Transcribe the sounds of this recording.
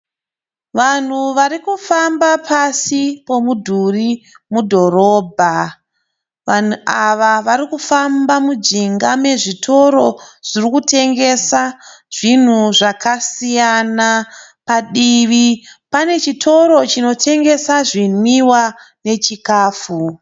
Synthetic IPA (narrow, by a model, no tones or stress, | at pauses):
ʋan̤uʋaɾikufambapasipo̞mudʱuri | mudʱo̞ɾo̞ːbʱa | ʋan̤uʔaʋaʋaɾikufambamud͡ʒiŋɡame̞ʐitʰo̞ɾo̞ʐ̥irikute̞ŋɡe̞saʐ̥in̤uʐakʰasijanapaɗiʋipane̞t͡ʃitʰo̞ɾo̞t͡ʃino̞tʰe̞ŋɡe̞saʐinwiwane̞t͡ʃikaːfu